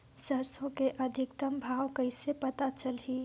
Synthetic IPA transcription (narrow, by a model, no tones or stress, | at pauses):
sɐɾsõkeʔɐd̪ʱɪk̚t̪əmbʱaːwkɐɪsepɐt̪at͡ʃəlɦiː